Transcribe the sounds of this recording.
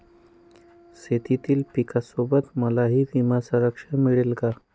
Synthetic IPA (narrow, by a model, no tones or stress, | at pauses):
set̪it̪iːlpikasobət̪məlaɦiːbimasə̃ɾəkʂəmiɭelɡa